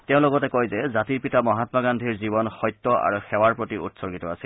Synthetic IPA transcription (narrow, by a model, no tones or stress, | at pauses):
teʊ̃lɔɡɔtɛkɔjzɛzatiɹpitamɔɦatmaɡandʱiɹzibɔnxɔjt̪ːɔʔa̰ɹuxɛwaɹpɹotiʔṵtsɔɹɡitɔasil